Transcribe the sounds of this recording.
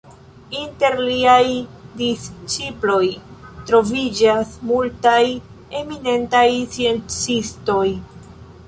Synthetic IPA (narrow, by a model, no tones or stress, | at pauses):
inte̞ɾliajdist͡ʃiplo̞jtɾo̞vid͡ʒasmultaj | e̞mine̞ntajt͡sie̞nt͡sisto̞j